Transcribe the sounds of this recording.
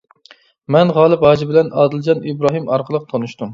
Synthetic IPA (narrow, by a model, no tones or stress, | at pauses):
mɛnʁɑːlˠɨpɑːd͡ʒibɪlɛnɑːd̪ɪld͡ʒɑnibɾɑːɦɨmɑɾqʰəlˠəq̚t̪ʰɑnuʃt̪um